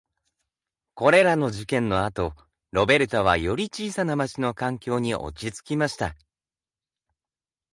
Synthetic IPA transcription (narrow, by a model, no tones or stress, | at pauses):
ko̞ɾe̞ɾano̞ʑikẽ̞nːo̞at̪o̞ | ɾo̞be̞ɾɯ̟t̪oβ̞a̰jo̞ɾʲit͡ɕiːsanamat͡ɕino̞kãŋkʲo̞ːɲ̟iʔo̰t͡ɕit͡sɨ̥kʲimaɕi̥t̪a